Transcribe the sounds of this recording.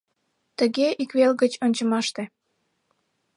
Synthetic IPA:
t̪əɣeʔikβelɣət͡ɕonʲt͡ɕəmɑʃt̪e

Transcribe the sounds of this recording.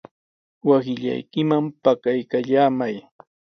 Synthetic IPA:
wasɪʎa̰jkɪmampakajkaʎaːmaj

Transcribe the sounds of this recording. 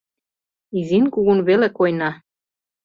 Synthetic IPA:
izinkuɣunβelekojnɑ

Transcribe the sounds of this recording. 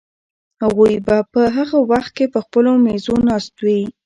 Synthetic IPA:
haɣujbapəɦaɣawaxt̪̚kepəxpəlomezonɑst̪wi

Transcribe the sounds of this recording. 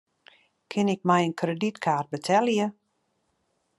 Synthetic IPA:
kʰɪnɪk̚mɛjənkʰreditkʰaːrt̚bətʰɛljə

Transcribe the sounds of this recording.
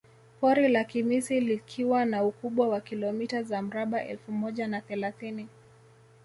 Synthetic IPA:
pɔɾilakimisilikʰiwanaukuɓwawakilɔmitazam̩ɾaɓaʔɛ̰lfumɔʄanaθɛlaθini

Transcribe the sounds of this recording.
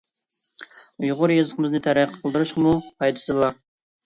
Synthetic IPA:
ʊjʁʊɾjezəqəmɨznɨt̪ʰæɾæqʰə̥qʰəlˠd̪ɨɾɨʃqmuqʰɑjt̪ʰɨ̥sɨlˠɑ

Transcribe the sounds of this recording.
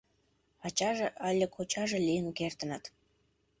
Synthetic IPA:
ɑt͡ɕɑʒeʔɑlʲːekʰot͡ɕɑʒĕlʲijənukert̪ə̆nət̪

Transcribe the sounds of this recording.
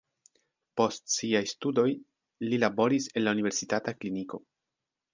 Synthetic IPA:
po̞stsiajstudo̞j | lilabo̞ɾise̞nlaunive̞ɾsitatakliniko̞̰

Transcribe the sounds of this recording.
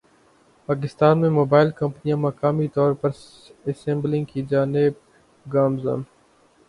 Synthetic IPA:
paːk̬ɪst̪aːnmẽmoːbaːɪlkɐ̃mpnijãmɐkaːmit̪ɔːɾpɐɾ | əsẽmblɪ̃ŋɡkid͡ʒaːneb̚ | ɡaːmza̰n

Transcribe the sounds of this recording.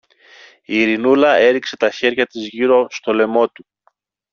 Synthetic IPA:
iːɾinulɐe̞ɾikse̞t̪ɐçe̞ɾʝɐt̪izʝiɾo̞st̪o̞le̞mo̞t̪u

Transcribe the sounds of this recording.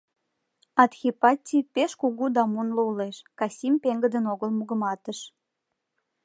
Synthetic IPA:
ɑt̪xʲipɑtʲipeʃkuɣud̪ɑmunlouleʃkɑsʲimpeŋɡəd̪ənoɣəlmuɣəmɑt̪əʃ

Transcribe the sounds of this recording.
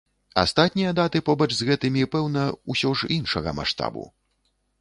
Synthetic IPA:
a̰st̪at̪ʲnʲijɐd̪at̪ɨpɔbɐt͡ʂzɣɛt̪ɨmʲipɛwnɐusʲɔʐinʂɐɣɐ̰ma̰ʂt̪a̰bṵ

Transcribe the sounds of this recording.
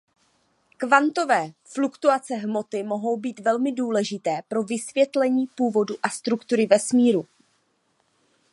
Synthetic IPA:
kvant̪o̞vɛːflukt̪uat͡sɛɦmo̞t̪ɪmo̞ɦo̞wbiːt̪vɛlmɪduːlɛʒɪt̪ɛːpɾo̞vɪsvjɛt̪lɛɲiːpuːvo̞duʔast̪ɾukt̪uɾɪvɛsmiːɾu

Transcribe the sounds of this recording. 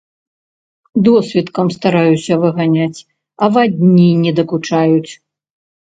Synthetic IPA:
d̪ɔsʲvʲit̪kɐmst̪aɾajusʲɐvɨɣanʲat͡sʲ | ɐvad̪ʲnʲinʲɛd̪ɐkut͡ʂajut͡sʲ

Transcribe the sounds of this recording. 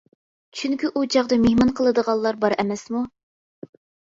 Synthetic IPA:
t͡ʃʰyŋkʲiʔud͡ʒɑʁd̪ɑmehmɑnqʰəlˠɨd̪əʁɑlˠːɑɾbɑɾɛmɛsmu

